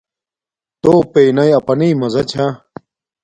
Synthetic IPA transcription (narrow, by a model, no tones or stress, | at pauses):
t̪oːpejnɐjɐpɐniːmɐzɐt͡ɕʰa